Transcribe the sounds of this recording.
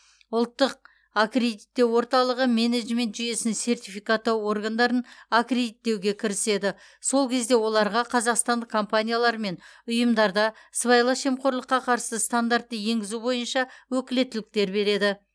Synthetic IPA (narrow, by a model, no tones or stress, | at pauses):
ʊlˠt̪ːəq̚ | akre̞d̪it̪ːe̞wo̞ɾt̪ɑlˠəʁəme̞ned̪ʒme̞nt̪ʒʏje̞sɪnse̞rt̪ʲifijkat̪ːo̞rɡand̪ɑɾənakrʲe̞d̪it̪ːe̞wɡʲe̞kʲʰɪɾɪse̞d̪ɪ | so̞lˠkʲʰe̞zd̪e̞wo̞lˠɑɾʁɑqʰɑzɑqst̪ɑnd̪əqkʰo̞mpanʲijalˠɑɾme̞nʊjəmd̪ɑɾd̪ɑsvɑjlˠɑʃe̞mqo̞ɾlˠəqːɑqʰɑɾsəst̪and̪art̪ːəje̞ŋɡʲɪzubo̞jənʃɑwɵkʲɪle̞t̪ːɪlɪk̚t̪e̞ɾbe̞ɾe̞d̪ɪ